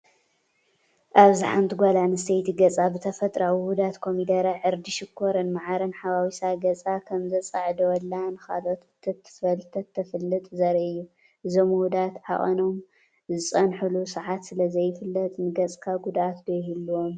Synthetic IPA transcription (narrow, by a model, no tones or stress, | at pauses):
ʔaβziħant̪ʰiɡʷalanɨst̪ejt̪ʰiɡɐt͡sʼabɨt̪ʰɐfɐt̪ʼɾawihud̪at̪kʰo̞mid̪ɐɾaʕɨɾd̪iʃɪkʰːoɾɨnmaʕaɾɐnħaβawisaɡɐt͡sʼakʰɐmzɐt͡sʼaʕd̪ɐwɔlːanɨxa̰lo̞t̪ʰːɨt̪ʰːɨ̥fɐlt̪ʰɐt̪ʰːɐfɨlːɨt̪ʼzɐɾɐɨjːu | ʔɨzo̞mhud̪at̪ħa̰χʼɐ̰no̞m | zɨt͡sʼɐnħulusɨʕat̪sɨlɐzɐjːɪfɨlːɐt̪ʼnɨɡɐt͡sʼkʰaɡud̪ʔat̪bɐhilːuwom